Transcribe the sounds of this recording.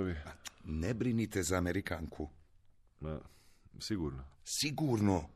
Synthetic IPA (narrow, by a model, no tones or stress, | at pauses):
vianɛbɾinit̪ezameɾikaŋkʰu | masikuːɾnosikuːɾno